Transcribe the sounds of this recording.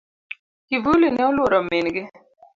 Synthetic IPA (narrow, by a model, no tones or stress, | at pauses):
kivulinɛɔlwoɾɔmɪnɡɪ